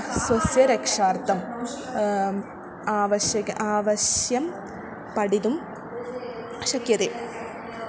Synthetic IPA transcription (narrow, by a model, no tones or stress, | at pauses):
swɐsjɐɾɐkʂaːrt̪ːɐm | aːʋɐɕjɐɣɐʔaːʋɐɕjɐm | pɐɽiðum | ɕɐkjɐðe